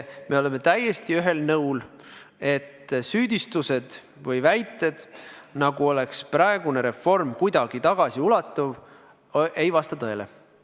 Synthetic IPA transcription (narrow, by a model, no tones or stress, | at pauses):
me̞o̞le̞me̞t̪æjːe̞st̪iyɦe̞lnɤwl | e̞t̪ːsyːd̪ist̪use̞d̪̥ | vɤjvæjt̪ːˑe̞d̪̥nɑɡuo̞le̞ksprɑeɡ̥une̞ɾe̞fo̞rmkujd̪ɑɡ̥it̪ɑɡ̥ɑsiulɑt̪ːˑuv | ʔe̞jvɑst̪ɑt̪ɤelḛ